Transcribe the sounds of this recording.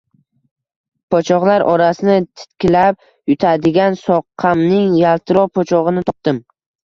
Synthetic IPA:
pʰɒt͡ʃʰɒʁlˠaɾʔɒɾasɪnɪt̪ʰɪ̥t̪kʲɪlap̚ | jʊt̪ʰad̪ɪɡʲansɒqʰːamnɪŋjalˠt̪ʰɪɾɒpʰɒt͡ʃʰɒʁɨnɪt̪ʰɒp̚t̪ɪm

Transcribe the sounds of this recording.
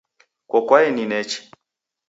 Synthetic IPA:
kɔkwaɛninɛt͡ʃi̥

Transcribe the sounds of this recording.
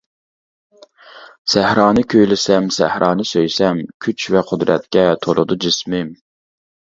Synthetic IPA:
sæhɾɑːnɨkʲʰøjlɪsɛmsæhɾʔɑːnɨsøjsɛmkʲʰyt͡ʃvɛqʰʊd̪ɾɛ̰t̪̚kʲɛt̪ʰolˠʊ̰d̪ud͡ʒismɪm

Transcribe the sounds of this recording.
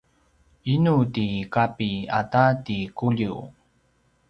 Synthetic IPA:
inutikapiatatikuʎi

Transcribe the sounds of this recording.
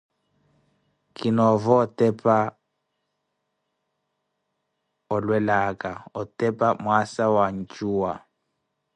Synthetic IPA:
kinɔvɔːtɛpʰa | ɔlwɛlakaɔtɛpamwasawaɲ̩t͡ʃuwa

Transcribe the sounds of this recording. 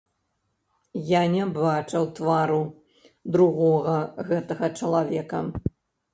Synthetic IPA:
janʲɛbat͡ʂɐwt̪vaɾu | d̪ɾuɣɔɣɐɣɛt̪ɐɣɐt͡ʂɐlˠavʲɛkɐ

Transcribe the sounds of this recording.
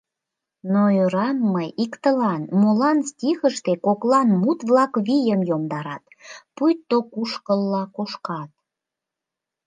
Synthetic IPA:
noøɾɑmːəjikt̪əlɑnmolɑnstʲixəʃt̪ekoklɑnmut̪βlɑkβijəmjomd̪ɑɾɑt̪pujt̪ːokuʃkəlːɑkoʃkɑt̪̚

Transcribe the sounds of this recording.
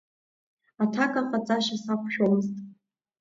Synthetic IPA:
atʰakʼaχʼat͡sʼaʃasakʷʰʃᶣomɨztʼ

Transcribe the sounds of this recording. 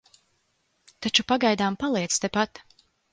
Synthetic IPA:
t̪at͡ʃupaɡajd̪aːmpalˠiɛt̪st̪epat̪

